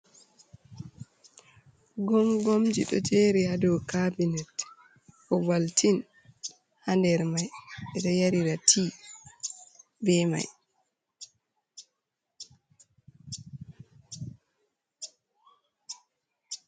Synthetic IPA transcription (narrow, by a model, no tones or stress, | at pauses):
ɡɔmɡomd͡ʒḭɗɔ̰d͡ʒeːɾihadɔkabinɛt | ʔɔwaltin | handɛɾmajɛɗɔjaɾiɾatʰiː | bɛma̰j